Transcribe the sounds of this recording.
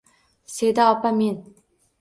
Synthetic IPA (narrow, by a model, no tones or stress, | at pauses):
sed̪aːpamin